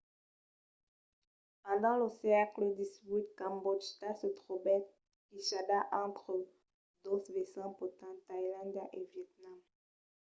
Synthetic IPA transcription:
pɑ̃d̪ɑ̃ləsɛkləd̪isit̪kãmbɔd͡ʒt̪asət̪χobɛ | kiʃad̪aʔɑ̃t̪χə | d̪osvesɑ̃pot̪ɑ̃t̪ajilɑ̃nd̪aʔevjɛt̪̚nam

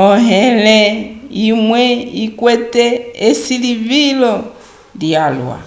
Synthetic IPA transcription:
ɔɦɛlɛimwɛikwɛtɛːsilivilɔ | ljalwa̰

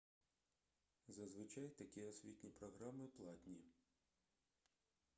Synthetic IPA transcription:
zɐzʋɪt͡ʃajt̪ɐkʲiɔsʲʋʲit̪ʲnʲipɾɔɦɾamɪplˠɑt̪ʲnʲi

